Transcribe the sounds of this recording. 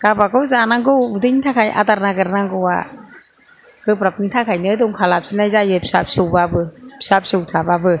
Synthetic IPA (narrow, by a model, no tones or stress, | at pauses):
kapakɔwzanaŋɡowudɯntʰakʰajʔa̰t̪aɾnaɡɯɾanaŋɡoa̰ | kɯpɾap̚nint̪ʰakʰajnɯduŋkʰalap̚sinajzajepsap̚subabɯpsap̚suwtʰababɯ